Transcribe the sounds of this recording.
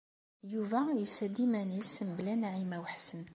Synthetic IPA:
juvæjusæd̪imænismblænʕimæwəħsən

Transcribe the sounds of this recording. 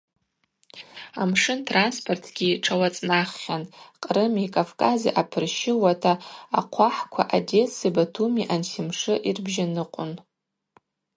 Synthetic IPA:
amʂɨntʰranspʰʼo̞rtʰɡʲiʈ͡ʂʰawat͡sʼnaχːʲanqʼrɨmikʼavkʼazḭʔapʰɨrʃɪwatʰa̰ːqʷʰaħkʷʰa̰ʔade̞sibatʰumiʔanχʲɪmʂɨʔirbʒanɨqʷʼʊn

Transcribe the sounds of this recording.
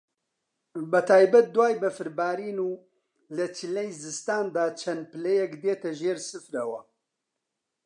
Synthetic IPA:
bɐt̪ʰaːjbɐt̪̚d̪uwaːjbɐfɨɾbaːɾiːnuː | lɐt͡ʃilejzɨst̪aːnd̪aːt͡ʃʰɐn̚pɨlɛjɛkd̪eːt̪ɐʒeːɾsɨfɾɐwɐ

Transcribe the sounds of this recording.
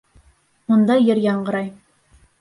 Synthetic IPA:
mund̪ɑjɘɾjɑɴɢɤ̆ɾɑj

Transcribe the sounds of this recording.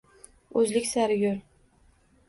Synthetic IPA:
ɵzlɪkʲsaɾjʲʊɾ

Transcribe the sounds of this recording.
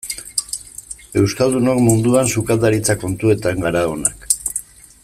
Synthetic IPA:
e̞wskald̪uno̞kmund̪uansukald̪aɾit͡sako̞nt̪ue̞t̪aŋɡaɾaona̰k

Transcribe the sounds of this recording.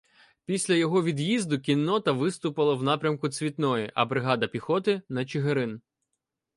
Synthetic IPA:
pʲisʲlʲɐjɔɦɔʋʲid̪jizd̪ʊkʲinːɔt̪ɐʋɪst̪ʊpɪlˠɐwnɑpɾʲɐmkʊt͡sʲʋʲit̪nɔjiʔɐ̰bɾɪɦɑd̪ɐpʲixɔt̪ɪnɐt͡ʃɪɦeɾɪn

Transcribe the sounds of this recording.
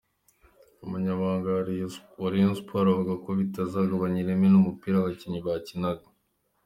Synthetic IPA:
uβaɲaβaːŋɡaoɾienspwaɾavuɡako̞βitazaɡaβaɲiɾemenumupiːɾaβaciɲiβacinaɡa

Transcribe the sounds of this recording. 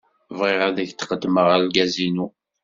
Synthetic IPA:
vʁɪʁæðəçt̪qəd̪ːməʁælɡæzinu

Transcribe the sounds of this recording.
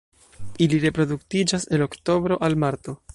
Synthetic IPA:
iliɾe̞pɾo̞duktid͡ʒase̞lo̞kto̞bɾo̞ʔalmaɾto̞

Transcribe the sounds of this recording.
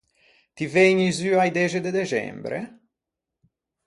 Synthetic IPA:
t̪iveɲizyajd̪ɛd͡ʒed̪ed̪et͡ʃɛ̰mbɾḛ

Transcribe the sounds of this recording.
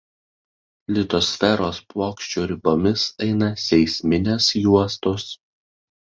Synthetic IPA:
lʲɪt̪ɔsʲfʲɛɾoːspoːkʃʲt͡ʃʲuːɾʲɪbomʲɪsɛɪnɐsʲɛɪsʲmʲɪnʲɛsjuɔst̪os

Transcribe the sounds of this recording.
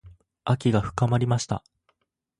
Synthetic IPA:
akʲiɡaɸɯ̟̥kamaɾʲimaɕi̥t̪a̰

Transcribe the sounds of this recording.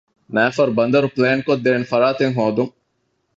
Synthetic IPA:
næːfɐɾbɐnd̪ɐɾupleːnkod̪ːeːnfɐɾaːt̪eŋɦoːd̪uŋ

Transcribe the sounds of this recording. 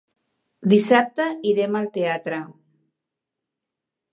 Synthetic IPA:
d̪isap̚t̪aiɾemalt̪eat̪ɾa

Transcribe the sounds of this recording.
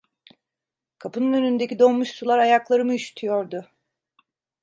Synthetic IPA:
kʰapɯnɯnønynd̪e̞cid̪o̞mːuʃsulˠaɾajaklˠaɾɯmɯyʃt̪ʰyjo̞ɾd̪ʊ

